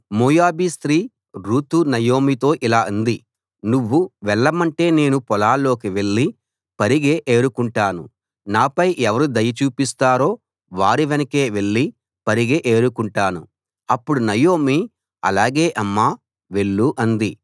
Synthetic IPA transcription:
muːjaːbist̪ɾiː | ɾuːt̪unɐjo̞ːmit̪o̞ːʔilaːɐnd̪i | nuʋːuʋɛɭːɐmɐɳʈe̞ːne̞ːnupɔlaːlːo̞ːkiʋe̞ɭːi | pɐɾiɡeːʔeːɾukuɳʈaːnṵ | naːpɐjʔɛʋɐɾud̪ɐjɐt͡ʃuːpist̪aːɾo̞ː | ʋaːɾiʋɐnɐke̞ːʋe̞ɭːi | pɐɾiɡeʔeːɾukuɳʈaːnṵ | ɐpːuɽunɐjo̞ːmi | ɐ̰laːɡe̞ːʔɐmːaː | ʋe̞ɭːuʔɐnd̪i

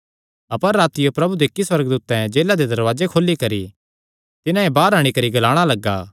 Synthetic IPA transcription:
ɐpəɾːaːt̪ɪjopɾɐbud̪ekːiswɐɾɡ̚d̪uːt̪ɛ̃d͡ʒeːlad̪ed̪ɐɾʋaːd͡ʒekʰoːlːikɐɾi | t̪ɪnãebaːɾaːɽ̃ikɐɾiɡɐlaːɽ̃alɐɡːaː

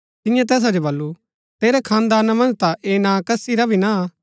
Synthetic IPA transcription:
t̪ɪ̃jãt̪ɛːs̬ad͡ʒobɐlːu | t̪eːɾɛkʰãːnd̪aːnamɐ̃nd͡ʒt̪aʔeːnãkɐsiɾabʱina

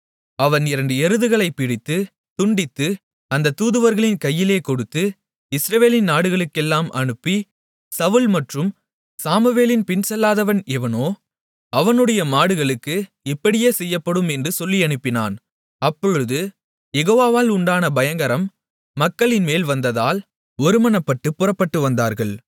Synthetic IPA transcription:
ɐʋɐnɪɾɐɳɖɯɛɾɯðɯɣɐɭɐɪpːɪɽɪt̪ːɯ | t̪ʊɳɖɪt̪ːɯ | ɐnd̪ɐt̪uːðɯʋɐɾɣɐɭɪnkɐjːɪleːkɔɽɯt̪ːɯ | ɪsɾɐʋeːlɪnnaːɽɯɣɐɭɯkːɛlːaːmʔɐ̰ɳɯpːi | sɐʋɯlmɐʈrɯm | saːmɯʋeːlɪnpɪnsɛlːaːðɐʋɐnɛʋɐnoː | ɐʋɐnɯɽɐjɐmaːɽɯɣɐɭɯkːɯ | ɪpːɐɽɪjeːsɛjːɐpːɐɽɯmɛndrɯsɔlːiɐɳɯpːɪna̰ːn | ɐpːɔɻɯðɯ | jɛɣoːʋaːʋaːlʊɳɖaːnɐbɐjɐŋɡɐɾɐmː | ɐkːɐɭɪnmeːlʋɐnd̪ɐðaːl | ɔɾɯmɐnɐpːɐʈːɯpːʊrɐpːɐʈːɯʋɐnd̪aːɾɣɐɭ

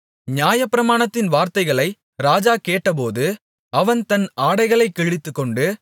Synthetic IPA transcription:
ɲɪjaːjɐpːɪɾɐmaːɳɐt̪ːɪnʋaːɾt̪ɐɪɣɐɭɐɪ | ɾaːd͡ʒaːkeːʈːɐp̬oːðɯ | ɐʋɐnt̪ɐnaːɽɐɪɣɐɭɐɪkːɛɻɪt̪ːɯkːɔɳɖɯ

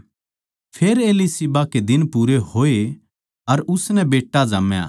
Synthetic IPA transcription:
pʰeːɾeːlisibaked̪ɪnpuːɾeɦoːe | ɐɾʊsnɛbeːʈːad͡ʒaːmja̰ː

